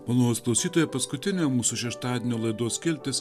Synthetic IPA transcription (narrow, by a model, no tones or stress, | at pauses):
mɐlˠoːosklˠɔʊsʲiːt̪oːjɛpɐskʊt̪ʲɪnʲoːmuːsʊʃʲɛʃt̪ɑːd̪ʲɪnʲoːlˠɐɪd̪oːsʲkʲɪlʲt̪ʲɪs